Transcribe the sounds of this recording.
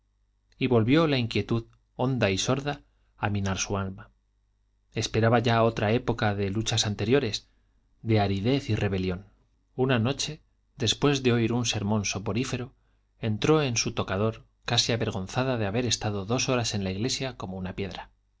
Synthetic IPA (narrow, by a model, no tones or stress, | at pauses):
iβo̞lβjo̞laiŋkje̞t̪uð | o̞nd̪aiso̞ɾðaː | mĩnaɾsualma | e̞spe̞ɾaβaʝao̞t̪ɾae̞po̞kaðe̞lut͡ʃasant̪e̞ɾjo̞ɾe̞s | d̪eaɾiðe̞θire̞βe̞ljo̞n | unano̞t͡ʃe̞ | d̪e̞spwe̞zðe̞o̞iɾunse̞ɾmõ̞nso̞po̞ɾife̞ɾo | e̞nt̪ɾo̞e̞nsut̪o̞kaðo̞ɾ | kasiaβe̞ɾɣ̞o̞nθaðaðe̞aβe̞ɾe̞st̪að̞o̞ðo̞so̞ɾase̞nlaiɣle̞sjako̞mo̞unapje̞ðɾa